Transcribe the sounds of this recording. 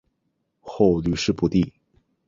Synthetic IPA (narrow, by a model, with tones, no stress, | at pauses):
xo˥˧ʊly˥˩ʂɻ̩˥˧pu˧˥t̪i˥˩